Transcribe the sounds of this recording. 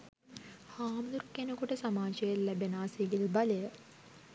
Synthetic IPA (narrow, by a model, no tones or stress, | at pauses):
haːmlurkːenəkuʈəsamaːʃejəlːæbenaːsiɡilbɐlejə